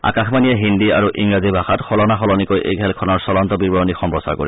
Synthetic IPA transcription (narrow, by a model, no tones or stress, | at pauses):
a̰kaxmanijɛɦindia̰ɹuʔiŋɹazibʱaxatxɔlɔnaxɔlɔnikojʔḛjkʰɛlkʰɔnɔɹsɔlɔntɔbiɹbɔɹɔnixɔmpɔsa̰ko̰ɹḭ